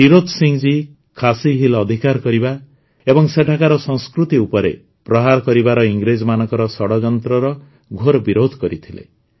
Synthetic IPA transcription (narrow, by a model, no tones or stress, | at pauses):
iɾod̪ʱsiŋd͡ʒi | kʰasiɦilɔd̪ʱikaɾkɔɾiba | ebɔŋseʈʰakaɾɔsɔŋskɾut̪iupɔɾḛ | pɾɔɦaɾkɔɾibaɾɔiŋɡɾed͡ʒɔmanɔŋkɔɾɔsɔɽɔd͡ʒɔnt̪ɾɔɾɔ | ɡʱoɾɔbiɾod̪ʱɔkɔɾit̪ʰilḛ